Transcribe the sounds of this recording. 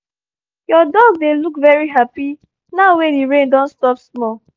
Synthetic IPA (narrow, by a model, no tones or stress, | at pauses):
jɔdɔɡdelukvɛɹiɦapi | naʊwediɹẽndɔ̃nstɔpsmɔ